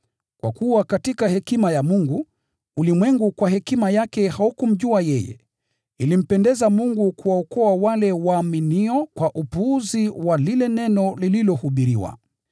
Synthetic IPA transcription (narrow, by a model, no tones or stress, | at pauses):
kwa̰kuwakatikahɛkimajamuŋɡu | ulimwɛŋɡukwaɦɛkimajakɛhaukum̩ʄuajɛjɛ̰ | ilim̩pɛndɛzamuŋɡukuwaɔkɔawalɛwaːminiɔkwaʔupuːziwalilɛnɛnɔlililɔhuɓiɾiwa̰